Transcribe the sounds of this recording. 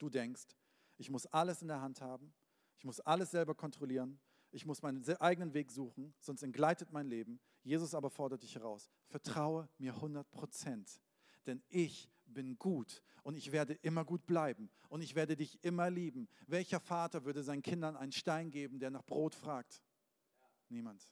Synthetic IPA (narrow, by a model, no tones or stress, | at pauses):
d̥uːdɛŋkst | ʔɪçmʊsʔaləsɪndeːɐɦanthaːbm̩ | ʔɪçmʊsʔaləsz̥ɛlbɐkʰɔntʁ̥oliːʁən | ʔɪçmʊsmaɪnənzʔaɪɡənənveːkz̥uːχn̩z̥ɔnstɛnt̚ɡ̥laɪtətmaɪnleːbm̩ | jeːzʊsʔaːbɐfɔɐdɐt̚d̥ɪçhɛʁaʊs | fɛɐtʁ̥aʊəmiːɐhʊndɐt̚pʁ̥ot͡sɛnt | d̥ɛnʔɪç | b̥ɪnɡuːt | ʔʊntɪçv̥eːɐdəʔɪmɐɡuːt̚b̥laɪbm̩ʔʊntɪçv̥eːɐdədɪçʔɪmɐliːbm̩vɛlçɐfaːtɐvʏɐdəzaɪnənkʰɪndɐnʔaɪnənʃtaɪnɡeːbm̩deːɐnaːχb̥ʁoːtfʁ̥aːk̚t | niːmant